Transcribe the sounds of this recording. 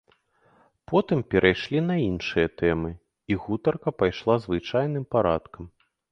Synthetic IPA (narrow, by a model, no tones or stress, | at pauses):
pɔt̪ɨmpʲɛɾʔajʂlʲin̪ɐinʂɨjɐt̪ɛmɨ | iɣut̪ɐrkɐpajʂlˠazvɨt͡ʂajnɨmpaɾat̪kɐm